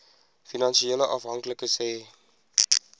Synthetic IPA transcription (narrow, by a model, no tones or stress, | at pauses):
finɑnʃieləʔɑfɦɐŋkləkəsɛː